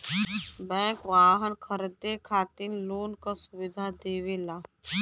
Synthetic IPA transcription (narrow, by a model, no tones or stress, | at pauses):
bɛ̃ːkʋaːɦənkʰəɾd̪ekʰaːt̪inloːnkasʊʋɪd̪ʱad̪eːʋelaː